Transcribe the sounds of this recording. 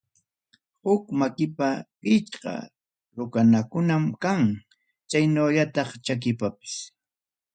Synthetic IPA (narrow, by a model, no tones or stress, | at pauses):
hʊkmakɪpapɪt͡ʃqɑ̰ | ɾʊkanakʊnamkaŋ | t͡ʃajnaːʎat̪ɑχt͡ʃak̬ɪpapɪ̥s